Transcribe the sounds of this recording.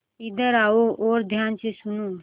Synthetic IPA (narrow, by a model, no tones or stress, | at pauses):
ɪd̪əɾaːoʔoːɾd̪ʱjaːnsesʊnoː